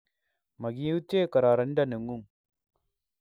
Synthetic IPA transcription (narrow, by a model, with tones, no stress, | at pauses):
mɐ˨ɡi˦u˦t͡ʃːeː˦kɐ˨ɾa˨ɾɐ˦nɖa˦ne˨ŋɡu˦ŋ